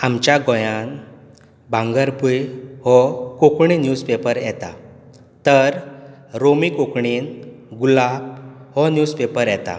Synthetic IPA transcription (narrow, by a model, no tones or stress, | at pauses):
amt͡ɕjaɡɔjan | bãŋɡəɾpujhɔkokɳinjud͡zpepəɾjɛt̪a̰ | t̪əɾɾomikokɳiːnɡulab̚hɔnjuːspepəɾjɛt̪a̰